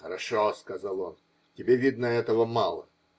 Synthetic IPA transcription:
xəɾaʂɔskɐzalˠon | tʲɪbʲevʲid̪nəɛt̪əvəmalˠə̰

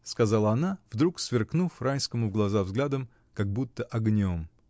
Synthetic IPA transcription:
skɐzalˠəɐnavd̪ɾuksvʲɪrknufranʲskəmʊvɡlˠɐzavzɡlʲad̪əm | kɐɡ̚but̪ːəʔɐɡnʲom

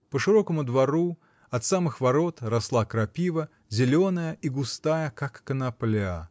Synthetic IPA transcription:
pəʂɨɾo̞kəmʊd̪vɐɾu | ɐt̪samɨxvɐɾo̞t̪rɐslˠakɾɐpʲivə | zʲɪlʲonəjəʔiɡʊst̪ajəkakːənɐplʲa

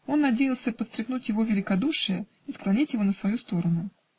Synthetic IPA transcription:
o̞nːɐdʲejɪlˠsʲəpət̪st̪ɾʲɪxnutʲjɪvo̞vʲɪlʲɪkɐd̪uʂɨjə | isklˠɐnʲitʲjɪvo̞nəsvɐjust̪o̞ɾənʊ

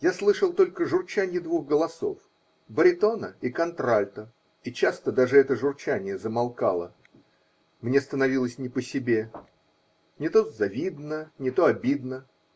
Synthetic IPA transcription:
jaslˠɨʂəlˠt̪o̞lʲkəʐʊrt͡ɕanʲɪd̪vuɣɡəlˠɐso̞̰f | bəɾʲɪt̪o̞nəikɐnt̪ɾalʲt̪ə | it͡ɕast̪əd̪aʐɨɛt̪əʐʊrt͡ɕænʲɪjəzəmɐlˠkalˠə | mnʲest̪ənɐvʲilˠəsʲnʲɪpəsʲɪbʲe | nʲɪt̪o̞zɐvʲid̪nənʲɪt̪o̞ɐbʲid̪nə

